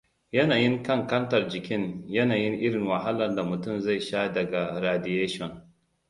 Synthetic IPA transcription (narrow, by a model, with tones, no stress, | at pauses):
jɐ˦naː˨jɪ˦ŋkɐ˦˨ŋkɐ˦ntɐ˨rd͡ʒɪ˨kʲɪ˦njɐ˦naː˨jɪ˦ŋʔɪ˦ɽɪ˨ŋwɐ˨ɦa˦lɐ˨nda˨mʊ˨tʊ˦˨mza˦˨jʃaː˦dɐ˨ɡa˨ɾaː˨dɪ˨jeː˦ʃɔ˦˨ŋ